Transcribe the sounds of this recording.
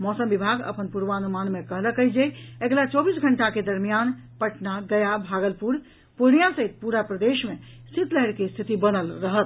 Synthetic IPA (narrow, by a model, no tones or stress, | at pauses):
mɔsəmbibʱaɡə̰pənpuɾʋanumanmekəɦləkəjd͡ʒeeklat͡ʃɔbisɡʱəɳʈaked̪əɾmijan | pəʈnaɡəjabʱaɡəlpuɾ | poɦnijãsəɦit̪̚puɾapɾəd̪eʃmẽ | sit̪ləɦɾkest̪ʰit̪ibənəlɾəɦət̪